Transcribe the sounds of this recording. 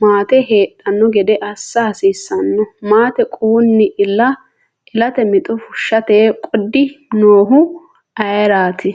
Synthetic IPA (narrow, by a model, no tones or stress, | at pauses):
maːt̪ɛɦeːɗʼːɐnːɔɡɛd̪ɛʔɐsːaːsiːsːɐnːɔmaːt̪ɛkʼuːnːɪʔɪlɐ | ʔɪlɐt̪ɛmɪt̪ʼɔfʊʃːɐt̪eːkʼɔd̪ːɪnoːɦʊ | ɐjɐɾaːt̪ʰɪ